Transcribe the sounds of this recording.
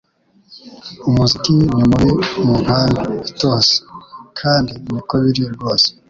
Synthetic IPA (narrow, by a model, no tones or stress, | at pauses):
umuzikiɲomowemuŋ̥haːndaitoːse̥kʰaːndimikoβiɾijoɾɡo̞ːse̥